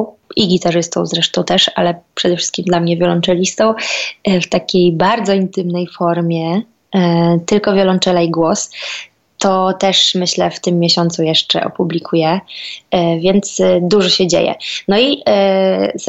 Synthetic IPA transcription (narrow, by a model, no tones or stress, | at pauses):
iɡʲit̪aʐɘst̪ɔ̃w̃zɾɛʂt̪ɔ̃w̃t̪ɛʂa̰lɛpʂɛd̪ɛfʂɘ̥st̪kʲimd̪lamɲɛvʲjɔlɔnt͡ʂɛlʲist̪ɔ̃w̃ft̪akʲejbaɾd̪zɔint̪ɘmnɛjfɔɾmʲjɛ | t̪ɘlkɔvʲjɔlɔnt͡ʂɛlajiɡwɔs | t̪ɔt̪ɛʂmɘɕlɛft̪ɘmːjɛɕɔnt̪sujɛʂt͡ʂɛ̰ʔɔ̰publʲikʰujɛ | vʲjɛnt̪sd̪uʐɔɕɛd͡ʑḛjɛ̰nɔi